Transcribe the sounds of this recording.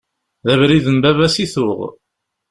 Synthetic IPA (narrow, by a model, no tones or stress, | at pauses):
ðævɾiðənbævæsiθʊʁ